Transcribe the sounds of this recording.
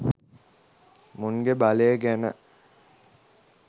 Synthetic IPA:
muŋɡebaleəɡænə̰

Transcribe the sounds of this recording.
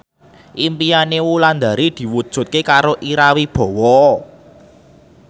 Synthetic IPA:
ʔimpijanewuland̪a̤ɾid̪̥i̤wud̥ʒ̥ṳt̪̚kekaɾoʔiɾawib̥ɔ̤wɔ

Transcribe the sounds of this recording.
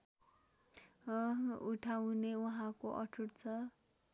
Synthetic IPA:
uʈʰawneuɦãkoʔʌ̰ʈʰuʈt͡sʰʌ

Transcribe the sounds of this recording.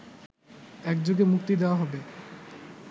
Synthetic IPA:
ɛkd͡ʑoɡemukt̪id̪eoaɦɔbe

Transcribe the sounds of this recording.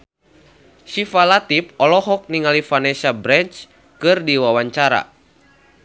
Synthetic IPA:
sifalat̪ip̚ɔlɔɦɔk̚niŋalifanɛsabɾɛɲt͡ʃ | kɨrdiwawaɲt͡ʃaɾa̰

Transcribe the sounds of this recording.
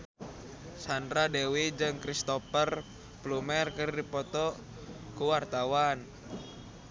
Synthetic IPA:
sandɾadewid͡ʒɨŋkɾist̪ɔpər | plumɛrkɨrdipɔt̪ɔ | kuwart̪awan

